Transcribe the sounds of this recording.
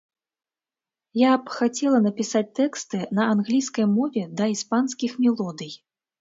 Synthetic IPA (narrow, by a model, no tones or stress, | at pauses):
japxat͡sʲɛlˠɐnɐpʲisat͡sʲt̪ɛkst̪ɨnɐanɣlʲijskɐjmɔvʲɛd̪ɐispanskʲixmʲɛlˠɔd̪ɨj